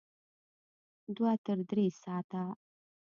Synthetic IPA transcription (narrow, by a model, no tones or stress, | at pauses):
d̪wat̪əɾd̪ɾesɑːt̪a